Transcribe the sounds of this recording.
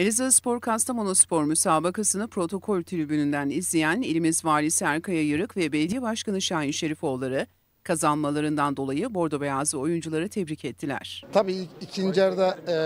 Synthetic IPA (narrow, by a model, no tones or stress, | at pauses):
elʲizaspo̞ɾkʰast̪ʰamo̞nospʰo̞ɾmysaːbakasɯnɯpɾo̞t̪ʰo̞kʰo̞lʲt̪ʰyɾybynynd̪ænizlʲijænilʲmizvaːlʲisiaɾkʰajajɯɾɯkvɛbɛlʲed̪ijɛbaʃkanɯʃaːinʃe̞ɾifo̞lˠːaɾɯ | kʰazanmalˠaɾɯnd̪and̪o̞lˠajɯbo̞ɾd̪o̞bejaːzɯo̞jund͡ʒulˠaɾɯt̪ʰɛbɾicʰɛt̪ʰːilʲæ̰ɾ̝̥t̪ʰabiːicʰind͡ʒaɾd̪a